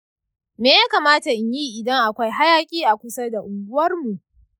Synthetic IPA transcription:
meː˨ja˦kaː˨maː˦ta˨ʔɪ˨ɲji˦ʔɪ˨dɐ˦ŋʔa˨kʷa˦jɦa˦jaː˨kʲʼiː˦ʔa˨kʷʊ˦sa˦da˨ʔʊ˨ɡʊ˦wɐ˦rmu˨ʔ

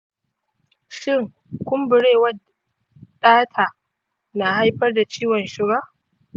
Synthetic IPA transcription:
ʃɪ˦˨ŋ | kʷʊ˦mbʊ˨ɽeː˦˨wɐ˦ | ɗaː˦tʰaː˨ | na˨ha˦jɸɐ˦rda˨t͡ʃiː˦wɔ˨nʃɪ˦baː˦

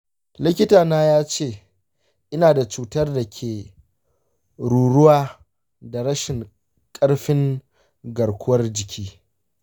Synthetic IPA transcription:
lɪ˦kʲɪ˦taː˨naː˦jaː˦t͡ʃeː˦˨ | ʔɪ˦naː˨da˨t͡ʃuː˨tɐ˦rda˨kʲʰeː˨ | ɽuː˨ɽʊ˦waː˦ | da˨ɽɐ˦ʃɪ˨ŋ | kʼɐ˦ɽɸɪ˦ŋ | ɡɐ˨ɾkʷʰʊ˦wɐ˦rd͡ʒɪ˨kʲʰiː˦

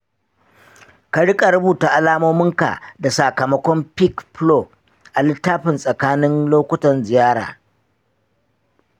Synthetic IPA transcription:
ka˨ɽɪ˦kʼa˨ɾʊ˦buː˨ta˨ʔa˨laː˦moː˦mɪ˦ŋka̰˨da˨sa˨kɐ˨mɐ˦kʷɔ˦mpɪ˦kplo˦˨ | ʔa˨lɪ˦tːaː˦ɸɪ˨nsʼɐ˨kaː˦nɪ˦nloː˦kʷʊ˦tɐ˨nzɪ˨jaː˦ɽa̰ː˨

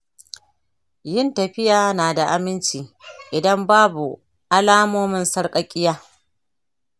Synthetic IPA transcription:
jɪ˦˨ntɐ˨ɸɪ˦jaː˨naː˨da˨ʔa˦mɪ˦nt͡ʃiː˨ʔɪ˨dɐ˦mbaː˦bu˨ | ʔa˦laː˦moː˦mɪ˦nsɐ˦rkʼɐ˦kʲʼɪ˦jaː˦

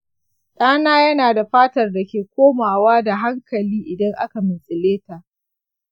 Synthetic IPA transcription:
ɗaː˦naː˦jɐ˦naː˨da˨ɸaː˦tɐ˨rda˨kʲeː˨kʷoː˦maː˨waː˦da˨ɦa˦ŋkʰɐ˨liː˦ʔɪ˨dɐ˦ŋʔa̰˦ka˨mɪ˨sʼɪ˨leː˦ta˨ʔ

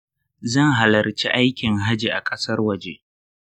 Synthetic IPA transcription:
zɐ˦˨ŋɦa˨lɐ˨rt͡ʃḭ˦ʔa˦jkʲɪ˨ŋɦa˦d͡ʒi˨ʔa˨kʼɐ˦sɐ˦rwɐ˨d͡ʒe˦ʔ

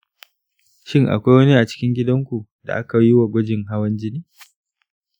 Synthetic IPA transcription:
ʃɪ˦ŋʔa̰˨kʷa˦jwɐ˦ni˦ʔa˨t͡ʃɪ̥˦kʲɪ˦ŋɡʲɪ˦dɐ˦ŋkʷu˨da̰˨ʔa˦ka˨ji˦wa˨ɡʷɔ˦d͡ʒɪ˨ŋɦa˦wɐ˦nd͡ʒɪ˦niː˦

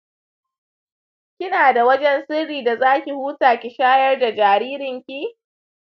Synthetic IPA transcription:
kʲɪ˦naː˨da˨wɐ˦d͡ʒɛ˦nsɪ˦rːiː˨da˨zaː˦kʲi˨huː˦taː˨kʲi˨ʃaː˦jɐ˦rda˨d͡ʒaː˨ɾiː˦ɾɪ˨ŋkʲi˦

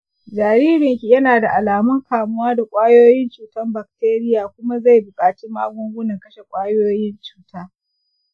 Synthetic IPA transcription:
d͡ʒaː˨ɾiː˦ɾɪ˨ŋkʲi˨jɐ˦naː˨da˨ʔa˨laː˨mʊ˦ŋkaː˨mʊ˦waː˦da˨kʷʼaː˦joː˦jɪ˦nt͡ʃuː˨tɐ˦mba˨k̚teː˦ɾɪ˦jaː˨kʷʊ˦ma˦za˦˨jbʊ˨kʼaː˨t͡ʃi˦mːaː˦ɡʷʊ˦ŋɡʷʊ˦nɐ˨ŋkɐ˦ʃe˨kʷʼaː˦joː˦jɪ˦nt͡ʃu̥ː˨taː˦

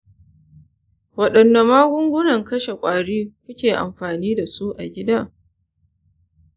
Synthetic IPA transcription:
wɐ˨ɗɐ˨nːa˨maː˦ɡʷʊ˦ŋɡʷʊ˦nɐ˨ŋkɐ˦ʃe˨kʷʼaː˨ɽiː˦kʷʊ˦kʲeː˨ʔa̰˨mɸaː˨niː˦da˨su˦ʔa̰˨ɡʲɪ˦da˦˨

